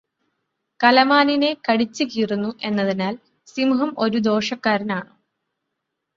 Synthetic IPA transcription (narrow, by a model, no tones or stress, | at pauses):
kɐlɐmaːnine̞kɐɽit͡ɕːɨkiːrunːuʔe̞nːɐðinaːl | simuɦɐmo̞ɾud̪o̞ːʂɐkːaːɾɐnaːɳɨ